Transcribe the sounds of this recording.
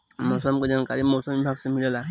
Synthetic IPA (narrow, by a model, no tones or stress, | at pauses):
mɔsɔmked͡ʒankaɾimɔsɔmibʱaksemilɔla